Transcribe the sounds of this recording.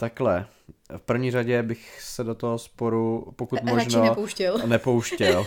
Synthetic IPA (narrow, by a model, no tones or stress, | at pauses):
t̪aklɛ | fpr̩vɲiːr̝aɟɛbɪxsɛdot̪oɦospoɾupokut̪moʒnoɛpowʃcɛlnɛpowʃcɛl